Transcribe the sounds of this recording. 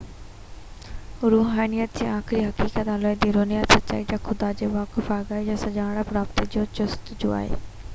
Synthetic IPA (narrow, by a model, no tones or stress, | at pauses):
ɾuːɦaːnijət̪̚d͡ʑiːaːkʰɪɾiɦɐkiːkət̪aːloːed̪iɾoːnijat̪sɐtt͡ɕa̰ːid͡ʑaxʰʊd̪ad͡ʑeːʋaːkɪfaːɡaːid͡ʑasɐd͡ʑaːɽapɾaːp̚t̪id͡ʑoːt͡ɕʊst̪d͡ʑo̰ːa̰ːɦḛː